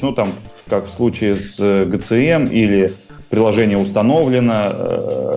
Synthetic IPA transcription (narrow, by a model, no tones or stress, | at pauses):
nut̪am | kakfslˠut͡ɕɪːɪsɡət̪sɨɛmilʲɪ | pɾʲɪlˠɐʐɛnʲɪjəʊst̪ɐno̞vlʲɪnə